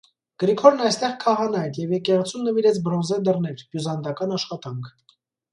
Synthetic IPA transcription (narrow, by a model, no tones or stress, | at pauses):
ɡ̥əɾikʰɔɾnɑjst̪ɛʁkʰɑʁɑnɑɛt̪jɛvjɛkɛʁət͡sʰumnəviɾɛt͡sʰbɾɔnzɛd̪ərnɛɾb̥juzɑnd̪ɑkɑnɑʃχɑt̪ɑŋkʰ